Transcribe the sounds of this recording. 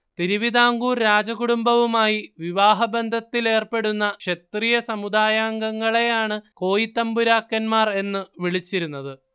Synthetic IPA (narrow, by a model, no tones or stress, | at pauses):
t̪iɾiʋid̪aːŋɡuːɾɾaːd͡ʑɐɣuɽumbɐʋumaːjiʋiʋaːɦɐbend̪ʱɐt̪ːile̞ːrpe̞ɽunːɐkʂet̪rijɐsɐmud̪aːjaːŋɡɐŋːɐɭe̞jaːɳɨko̞ːjit̪ːɐmbuɾaːkːɐnmaːre̞nːɨʋiɭit͡ɕːiɾunːɐðɨ